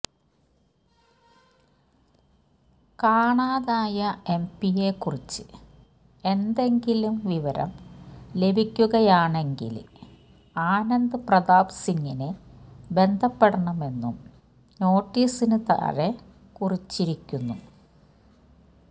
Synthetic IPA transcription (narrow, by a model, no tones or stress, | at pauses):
kaːɳaːðaːjɐe̞mpijekːurit͡ɕːɨ | e̞nd̪e̞ŋɡilumʋiʋɐɾɐ̰mle̞bʱikʲːuɣɐjaːɳe̞ŋɡḭl | aːnɐnd̪ɨprɐðaːbsiŋːinɨbe̞nd̪ʱɐpːeɽɐɳɐme̞nːum | no̞ːʈːiːsinɨt̪a̰ːɾe | kurit͡ɕːiɾikʲːunːṵ